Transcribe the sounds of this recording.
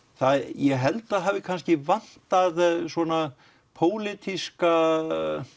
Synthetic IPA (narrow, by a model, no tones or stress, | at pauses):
θaðjɛɦɛlt̪aɦaːvɪkʰanscɪvan̥t̪aðsɔna | pʰoːwlɪt̪iska